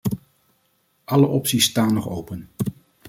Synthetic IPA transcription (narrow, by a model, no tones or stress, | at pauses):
ʔɑləʔɔpsistaːnːɔχowpən